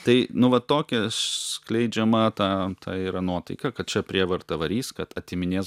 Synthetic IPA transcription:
t̪ɐɪnʊʋɐttoːkʲɛsʲklʲɛɪd͡ʒʲɛmɐt̪ɑːt̪ʰɑːiːɾɐnuɔt̪ɐɪkɐkɐt̪̚t͡ʃʲɛpʲɾʲiɛʋɐɾt̪ɐʋɐɾʲiːskɐt̪ɐt̪ʲɪmʲɪnʲeːs

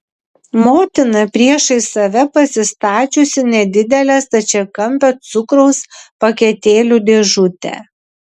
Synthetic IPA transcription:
moːt̪ʲɪnɐpʲɾʲiɛʃɐɪsɐʋʲɛpɐsʲɪst̪ɑːt͡ʃʲʊsʲɪnʲɛd̪ʲɪd̪ʲɛlʲɛːst̪ɐt͡ʃʲɛkɐmʲpʲɛt̪sʊkɾɔʊspɐkʲɛt̪ʲeːlʲud̪ʲeʒʊt̪ʲɛ̰

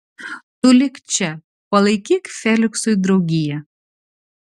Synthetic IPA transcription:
t̪ʊlʲɪkt͡ʃʲɛ | pɐlˠɐɪkʲikfʲɛlʲɪksʊjd̪ɾɐʊɡʲɪjɛ

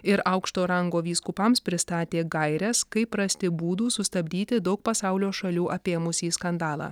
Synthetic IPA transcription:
ɪɾɐʊkʃt̪oːɾɐŋɡoːʋʲiːskʊpɐmspʲɾʲɪst̪ɑːt̪ʲeːɡɐɪɾʲɛskɐɪpɾɐsʲt̪ʲɪbuːd̪uːsʊst̪ɐbʲd̪ʲiːt̪ʲɪd̪ɐʊk̚pɐsɑʊlʲoːʃɐlʲuːʔɐpʲeːmʊsʲiːskɐnd̪ɑːlˠɑ̰ː

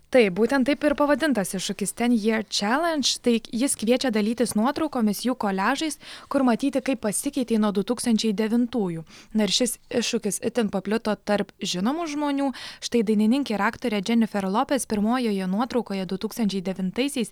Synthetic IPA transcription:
t̪ɐɪp̚buːt̪ʲɛnt̪ɐɪpɪɾpɐʋɐd̪ʲɪnt̪ɐsɪʃʊkʲɪst̪ʲɛnjiɛɾt͡ʃʲæːlʲˠɛnʲt͡ʃt̪ɐɪjɪskʋʲiɛt͡ʃʲɛd̪ɐlʲiːt̪ʲɪsnuɔt̪ɾɒʊkoːmʲɪsjuːkoːlʲæːʒɐɪskʊɾmɐt̪ʲiːt̪ʲɪkɐɪpːɐsʲɪkʲɛɪt̪ʲiːnuɔd̪ʊt̪uːkst̪ɐnʲt͡ʃʲɛɪd̪ʲɛʋʲɪnt̪uːjunɪɾʃʲɪsɪʃːʊkʲɪsɪt̪ʲɪnpɐpʲlʲɪt̪oːt̪ɐɾpʒʲɪnoːmuʒmoːnʲuːʃt̪ɐɪd̪ɐɪnʲɪnʲɪŋʲkʲɛɾɑːkt̪oːɾʲɛd͡ʒʲɛnʲɪfʲɛɾlˠoːpʲɛspʲɪɾmoːjoːjɛnuɔt̪ɾɒʊkoːjɛd̪ʊt̪uːkst̪ɐnʲt͡ʃʲɛɪd̪ʲɛʋʲɪnt̪ɐɪsʲɛɪs

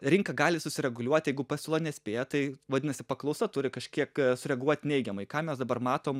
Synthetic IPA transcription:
ɾʲɪŋkɐɡɑːlʲɪsʊsʲɪɾʲɛɡʊlʲuɔt̪ʲjɛɪɡʊpɐsʲʊlˠɐnʲɛsʲpʲeːjɛt̪ɐɪʋɐd̪ʲɪnɐsʲɪpɐklˠɐʊsɐt̪ʊɾʲɪkɐʃʲkʲiɛksʊɾʲɛɡuɔt̪ʲnʲɛɪɡʲɛmɐɪkɑːmʲɛsd̪ɐbɐrmɑːt̪oːm

